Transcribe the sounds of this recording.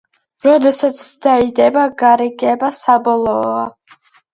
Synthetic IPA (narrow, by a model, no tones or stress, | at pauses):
ɾɔd̪ɛsat̪sʰd̪aid̪ɛbaɡaɾɛɡɛbasabɔlˠɔa